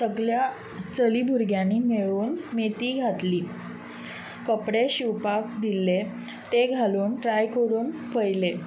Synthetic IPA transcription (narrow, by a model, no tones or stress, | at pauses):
səɡɭja | t͡səliːbʱuɾɡjanːiːmeɭuːnmet̪iːɡʱat̪liː | kəpɽeɕiwpakd̪ilːe | t̪eɡʱaluːnʈɾajkəɾuːnpəjle